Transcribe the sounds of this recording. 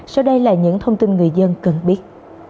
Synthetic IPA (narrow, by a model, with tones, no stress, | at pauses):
sa˧wɗə˧jlaː˨˩ɲɨ̰˧˥ŋt̪ʰə˧wŋ͡mt̪i˧nŋɨ˨˩əjzə˧nkə˨˩nɓi˦˥ət̚